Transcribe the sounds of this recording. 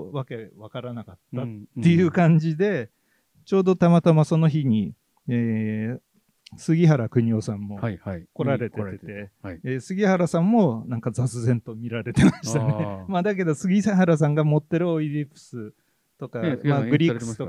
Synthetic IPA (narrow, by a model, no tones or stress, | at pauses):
βake̞βakaɾanakat̪ːaːe̞jɯ̟kãɲ̟d͡ʑid̪e̞ | t͡ɕo̞ːd̪o̞t̪amat̪amaso̞no̞çiɲ̟i | eː | sɨɡʲiɦaɾakɯ̟ɲ̟io̞sãmːo̞ko̞ɾaɾe̞t̪et̪eːsɨɡʲihaɾasãmːo̞nãŋkazat͡sɨzẽ̞nt̪o̞mʲiɾaɾe̞t̪e̞maɕt̪anemad̪ak̬e̞d̪o̞sɨɡʲisaɦaɾas̬ãŋɡamo̞t̪ːe̞ɾɯ̟oidʲipɯ̥sɨ | t̪o̞kamaɡɯ̟ɾʲikɯst̪o